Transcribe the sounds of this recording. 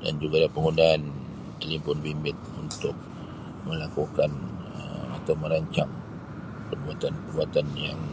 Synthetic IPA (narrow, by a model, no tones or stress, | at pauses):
da̰nd͡ʒuɡalapəŋundaːn | t̪əlimpʊnbimbɪt̪̚unt̪ʊk̚ | məlakukanə̰at̪awmə̃ɾaɲt͡ʃaŋ | pərbuat̪anpərbuat̪anjaŋ